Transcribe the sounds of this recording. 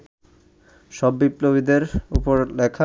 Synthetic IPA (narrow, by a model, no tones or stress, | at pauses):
ʃɔbːiploβid̪eɾupoɾlɛkʰa